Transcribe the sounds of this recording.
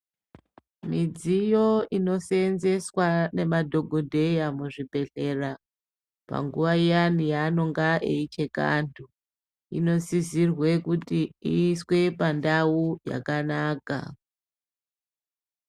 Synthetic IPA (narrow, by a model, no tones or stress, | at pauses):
mid͡zijo̞ino̞senze̞swane̞madʱo̞ɡʱo̞dʱe̞jamuʐibʱe̞ɬe̞ra | pa̰ŋɡuʋaijanijaːno̞ŋɡaʔeit͡ʃe̞ka̰ndʱu | ḭno̞sizirwe̞kutiiːswe̞pandauja̰kanaːka̰